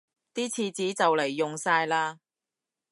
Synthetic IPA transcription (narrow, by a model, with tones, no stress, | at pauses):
t̪iː˥t͡sʰiː˧t͡siː˨˥t͡sɐ˨wlɐ˨˩jːʊ˨ŋsaː˧jlaː˧